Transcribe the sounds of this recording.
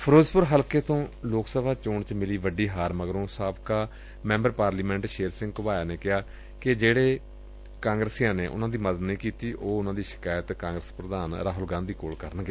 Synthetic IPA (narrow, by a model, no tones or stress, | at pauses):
pʰəɾoːzpʊɾɦəlkeːt̪õːloːksəbʱaːt͡ʃʊːɳt͡ʃmɪliːʋəɖiːɦaːɾməɡɾõːsaːbkaː | mɛ̃ːmbəɾpaːɾliːmɛ̃ɳʈʃeːɾsɪ̃ŋɡkʊbaːjaːneːkɪaː | kɪd͡ʒeːɽeː | kãːŋɡɾəsijãːneːʔʊ̰nãːd̪iːməd̪ət̪nĩːkiːt̪iːʔoːʊnãːd̪iːʃɪ̥kaːjət̪kãːŋɡɾəspɾəd̪aːnɾaːɦʊlɡãːnd̪iːkoːlkəɾənɡeː